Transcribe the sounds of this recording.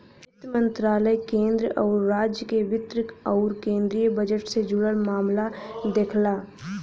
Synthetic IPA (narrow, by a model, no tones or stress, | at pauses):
ɪt̪mə̃nt̪ɾaːləjkẽːnd̪ɾəɔʊɾːaːd͡ʒjəkeʋɪt̪ɾɪkɔʊɾkẽːnd̪ɾijəbəd͡ʒəʈsed͡ʒʊɽəɽmaːmlad̪ekʰlaː